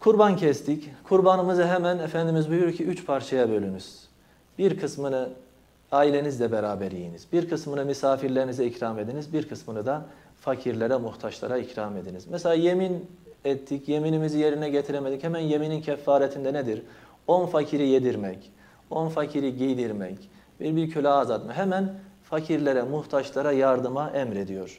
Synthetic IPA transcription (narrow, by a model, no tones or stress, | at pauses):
kʰuɾbancʰɛst̪ʰickʰuɾbanɯmɯzɯɦɛmænefænd̪imizbujuɾcʰiyt͡ʃpʰaɾt͡ʃʰajabølʲynyz̥ | b̥iɾkʰɯsmɯnɯ | aːilʲe̞nizd̪ɛbeɾaːbɛɾḭjinizbiɾkʰɯsmɯnɯmysaːfiɾlʲe̞ɾinizɛicɾaːme̞d̪inizbiɾkʰɯsmɯnɯd̪a | facʰiɾlʲeɾɛmuht̪ʰaʃlˠa̰ɾaicɾaːme̞d̪inizmɛselʲaːje̞minɛt̪ʰːicʰje̞minimizije̞ɾinɛɟet̪ʰiɾɛmed̪ichɛmænje̞minincʰɛfːaːɾɛt̪ʰind̪ɛned̪iɾ | onfacʰiɾijed̪iɾmɛc | onfacʰiɾiɟijd̪iɾmɛ̰c | b̥iɾbiɾcʰølʲɛazat̪maɦɛmænfacʰiɾlʲeɾɛmuht̪ʰaʃlˠaɾajaɾd̪ɯmaʔɛmɾe̞d̪ijo̞ɾ̥